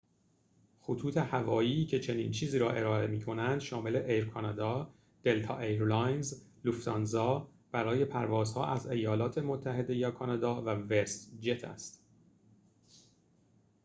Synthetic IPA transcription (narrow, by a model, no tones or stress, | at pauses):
xot̪ʰuːt̪ʰe̞hævɒːjiːcʰe̞t͡ʃʰe̞niːnt͡ʃʰiːziːɾɒːʔe̞ɾɒːe̞miːkʰo̞nænd̪ʃɒːme̞le̞ʔejɾkʰɒnɑd̪ɒː | d̪̥e̞lt̪ʰɒ̰ːʔeɾlɒjnzluft̪ɒnzɒː | b̥æɾɒːje̞pʰæɾvɒːzhɒ̰ːʔæze̞jɒːlɒːt̪ʰe̞mo̞t̪ʰːæhe̞d̪e̞jɒːkʰɒːnɑd̪ɒːvævest̪d͡ʒe̞t̪ʰæ̰st̪